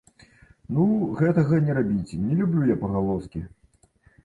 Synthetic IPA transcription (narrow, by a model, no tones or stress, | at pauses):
nuɣɛt̪ɐɣɐnʲɛɾabʲit͡sʲnʲɛlʲublʲujapɐɣalˠɔskʲi